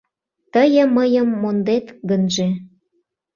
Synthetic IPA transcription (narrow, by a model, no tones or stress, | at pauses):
t̪əjə̆məjə̆mːond̪et̪ɡənʒe